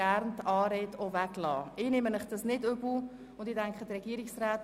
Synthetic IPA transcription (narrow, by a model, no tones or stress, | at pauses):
æɾnt̪ɑːɾeːtovæɡlɑ̰ːɪnɪmənmɪχd̥ɑsnɪdøbl̩ | ʊndɪdɛŋkχəd̪ɾɛɡiəɾiksraːt